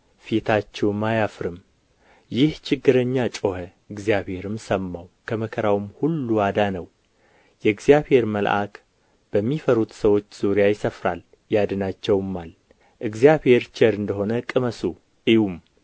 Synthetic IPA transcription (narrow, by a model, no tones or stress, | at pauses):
fet̪ʰat͡ʃːɛwmajafɾɨm | jɪht͡ʃʰɪɡːɨɾəɲːat͡ʃʼohə | ɨɡzijaβhe̞ɾɨmsəmːawkʰəməkʰəɾawmhulːuad̪anəw | jɛɨɡzjaβhe̞ɾməlʔa̰k | b̥əmːifəɾut̪səwo̞t͡ʃːz̥uɾjajɪsəfɾal | jad̪ɨnat͡ʃːɛwmːal | ʔɨɡzijaβhe̞ɾt͡ʃəɾɨnd̪əɦo̞nəkʼɨməsu | ʔiwum